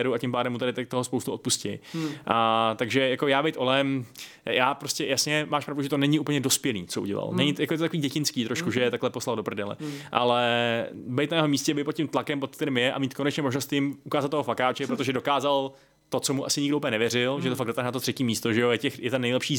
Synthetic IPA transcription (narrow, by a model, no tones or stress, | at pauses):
ɛɾuacɪmpaːdɛmːut̪adɪt̪t̪oɦospowst̪uot̪̚puscɛ̰jʔat̪aɡʒɛjako̞jaːbɛjt̪ʔo̞lɛm | jaːpɾo̞scɛjasɲɛmaːʃpɾavduʒɛt̪onɛɲɪʔuːpl̩ɲɛdospjɛlḭːt͡soʔṵɟɛ̰la̰lnɛɲɪtjakojɛt̪t̪akoviːɟɛcɪnskiːt̪ɾoʃkuʒɛjɛt̪aklɛposlaldopr̩dɛlɛ̰ʔa̰lɛ | bɛjt̪najɛɦo̞miːscɛbɛjt̪̚pot̪̚ʲcɪmt̪lakɛmpot̪̚kt̪ɛɾiːmjɛʔa̰miːt̪̚ko̞nɛt͡ʃɲɛmoʒnost̪jɪmʔukaːzat̪̚ːoɦofakaːt͡ʃɛpɾot̪oʒɛdo̞kaːzal | t̪o̞t͡somuʔasɪɲɪɡdoʔuplɲɛnɛvjɛrɪlʒɛt̪ofaɡ̚dot̪aɦnat̪ot̪r̝̥ɛciːmiːst̪oʒɛjojɛcɛxjɛt̪anɛjlɛpʃiː